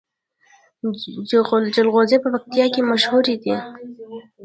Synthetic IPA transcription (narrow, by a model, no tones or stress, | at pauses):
d͡ʒld͡ʒɪlɣozepəpak̚t̪ijɑkemaʃhuɾid̪i